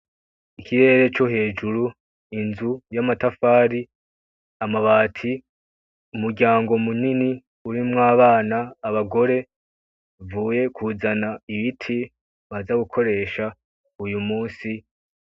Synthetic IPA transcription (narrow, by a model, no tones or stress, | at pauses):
ikʰiɾe̞ːɾe̞t͡ʃo̞ɦe̞ːd͡ʒuɾu | inzujamatafaːɾi | amaβaːtʰi | umuɾɡʲaːŋɡo̞munini | uɾimŋaːβaːnaːβaɡo̞ɾe̞ | vuːje̞kʰuːzanaiβitʰi | βazaɡukʰo̞ɾe̞ːʃa | ujumuːnsi